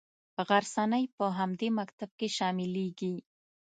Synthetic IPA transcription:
ɣaɾsanajpəɦamd̪emakt̪ab̚keʃɑmɪleɡi

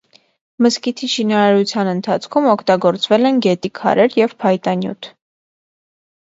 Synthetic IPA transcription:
məskit̪ʰiʃinɑɾɑɾut͡sʰjɑnənt̪ʰɑt͡sʰkʰumɔkʰt̪ɑɡɔɾt͡svɛlɛnɡɛt̪ikʰɑ̰ɾɛɾjɛvpʰɑjt̪ɑnjṵt̪ʰ

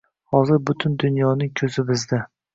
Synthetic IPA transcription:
hɒzɪɾbʊt̪ʰʊnd̪ʊnjɒnɪŋkʲʰɵzɪbɪzd̪a

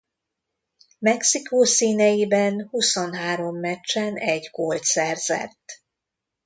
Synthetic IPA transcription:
mɛksikoːsiːnɛjibɛnhusonɦaːɾo̞mːɛt͡ʃːɛnɛɟɡolt̪sɛrzɛ̰t̪ː

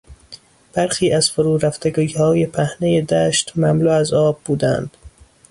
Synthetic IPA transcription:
b̥æɾxiːʔæz̥foɾuːɾæft̪eɡuhɒːje̞pʰæhneje̞d̪æːʃt̪mæmluːæzɒːb̚buːd̪ænd̪̥

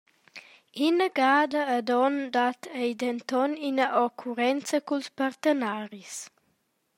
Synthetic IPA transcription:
inəɡaːd̪əːd̪ɔnd̪at̪ʰɛjd̪ɛnt̪ɔninəʔɔkʰuɾɛnt͡səkulspaɾt̪ənaːɾis

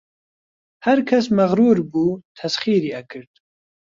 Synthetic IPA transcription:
haɾkʰɐsmɐɣɾuːɾbuːt̪ʰɐsχiːɾiːɐkʰɨɾd̪̥̚

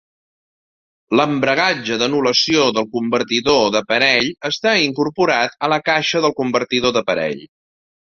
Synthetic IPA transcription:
ləmbɾəɣad͡ʒəðənuləsioðəlˠkumbərt̪iðoðəpəɾɛʎəst̪aiŋkuɾpuɾat̪ələkaʃəðəlˠkumbərt̪iðoðəpəɾɛ̰ʎ

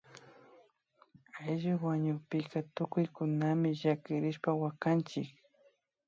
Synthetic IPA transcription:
ajʒʊwaɲʊpɪkat̪ʊkʊjkʊnamɪʒakɪɾɪʃpawakant͡ʃɪk

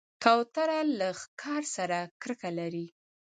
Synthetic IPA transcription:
kawt̪aɾalaxkʰɑɾsaɾakɾəkalaɾi

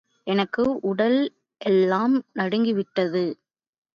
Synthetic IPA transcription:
ʔɛnɐkːɯʔʊɽɐl | ʔɛlːaːmnɐɽɯŋɡɪʋɪʈːɐðɯ

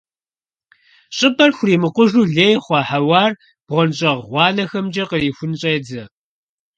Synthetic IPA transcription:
ɕʼɪpɐrxʷʊriːmɨqʷʊʒuːɮeːjχʷɑːħawɑːr | b̥ʁʷɔnɕʼɐʁʁʷɑːnɐxɐmd͡ʒɐqəriːfʷʊnɕʼɐjd͡zɐ

